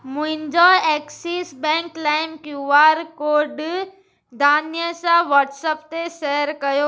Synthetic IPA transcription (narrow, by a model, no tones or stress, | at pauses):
mʊ̃ɦɪ̃ɲd͡ʑoɛːksiːsbɛ̃ːŋklaːɪmkjuːaːɾkoːɾɖ | d̪ʱaːnjəsãʋɔːʈsəpt̪esɛɦəɾkɐjo